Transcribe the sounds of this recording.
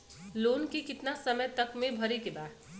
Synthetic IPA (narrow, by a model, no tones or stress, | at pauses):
loːnkekɪt̪nasəməjt̪ɐkmẽbʱɐɾekebaːd̪